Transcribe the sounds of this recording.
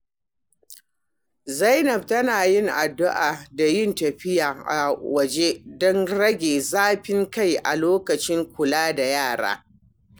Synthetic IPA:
zɐ˦jnɐ˨b̚tɐ˦naː˨jɪ˦ŋʔa˨dːʊ˦ʔaː˨da˨jɪ˦˨ntɐ˨ɸɪ˦jaː˨ʔa˨wɐ˨d͡ʒe˦dɔ˦nɽɐ˦ɡʲeː˨zaː˦ɸɪ˦ŋka˦˨jʔa̰˨loː˦kɐ˨t͡ʃɪ˦ŋkʷʊ˨laː˦da˨jaː˦˨ɽa̰ː˦

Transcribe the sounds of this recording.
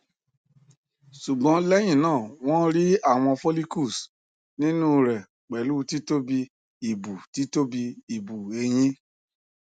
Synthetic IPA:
su˨ɡ͡bɔ̃˨˧˦lɛ˦j̃ĩ˦˨nãː˦˨w̃ɔ̃˦ɾi˦a˦˨w̃ɔ̃˧fo˦li˦ku˦˨s | nĩ˦nũ˦ɾɛ˨ | k͡pɛ˨luː˦ti˦to˦bi˧ | i˨bu˨ti˨˦to˦bi˧i˨bu˨e˧j̃ĩ˦

